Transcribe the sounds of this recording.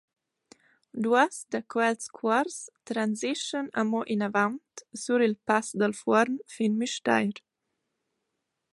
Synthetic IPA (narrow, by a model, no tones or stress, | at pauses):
d̪uasd̪əkʰwɛltskʰwaɾst̪ɾanziʃənəmɔʔinavant̪suɾilpasd̪əlfɔɾnfinmyʃt̪a̰jɾ